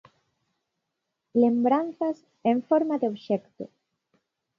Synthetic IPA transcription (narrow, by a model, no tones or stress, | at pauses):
lembɾanθas | eɱfoɾmaðeoβʃekt̪o̰